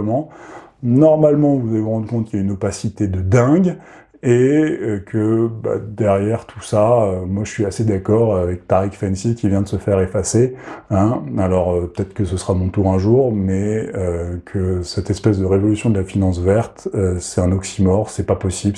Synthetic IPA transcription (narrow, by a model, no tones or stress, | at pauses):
mɑ̃ | nɔʁmalmɑ̃vuzalevuʁɑ̃d̪ykɔ̃t̪kʲljaynɔpasit̪ed̪əd̪ɛ̃ɡ | eøkʰəba̰d̪ɛʁjɛʁt̪ʰu̥saømwaʒəsɥiased̪akɔʁavɛk̚t̪aʁikfɛnsikʲivjɛ̃d̪əsəfɛʁefaseɛ̃alɔʁpə̥t̪ɛt̪χkəsəsʁamɔ̃t̪uʁɛ̃ʒuʁmɛøkʰəsɛt̪ɛspɛsd̪əʁevɔlysjɔ̃d̪əlafinɑ̃s̬vɛʁt̪øsɛt̪ɛ̃nɔksimɔʁsɛpapɔsib